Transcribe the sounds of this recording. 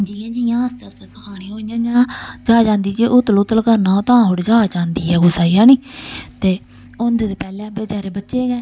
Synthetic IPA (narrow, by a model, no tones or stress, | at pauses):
d͡ʒiːãːd͡ʒiːjãːəst̪asasəkʰaːɽ̃ĩːɦoːɪjãːd͡ʒãːd͡ʒaːd͡ʒãːnd̪iːd͡ʒeʔʊt̪lot̪əlkəɾnaːot̪ãːɦoːɽd͡ʒaːd͡ʒãːnd̪iːɛːɡʊsaːiːãːnĩːt̪eː | ʊnd̪eːd̪eːpɛːlɛ̃ːbed͡ʒaːɾeːbətːʃeːɡɛː